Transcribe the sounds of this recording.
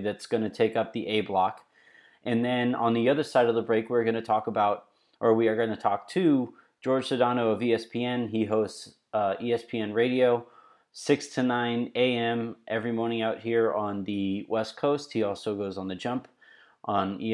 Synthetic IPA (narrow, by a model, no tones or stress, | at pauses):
ðɨtsɡ̥ʌnɨtʰeɪkʌp̚ðiʔeɪblɑk | ʔɨ̃nðɨ̃nə̃nðiʌðə˞saɪɾʌvðəbɹeɪkwiɹɡʌñɨtʰɔkəbaʊɾ | ʔə˞wiə˞ɡʌ̃nɨtʰɔk̚tʰʉ | d̥ʒ̥ɔɹd̥ʒ̥sɨdɑnoʊəviɛspʰiɛ̃niɦoʊsts | ʌiɛspʰiɛ̃nɹeɪɾioʊ | sɪkstʰɨnãɪ̃neɪɛ̃mʔɛvɹimɔɹnɪ̃ŋaʊʔ̚hiɹə̃nðɨwʔɛskʰoʊst̚hiɔlˠsoʊɡoʊzn̩ðɨd͡ʒʌ̃mp | ʔə̃ni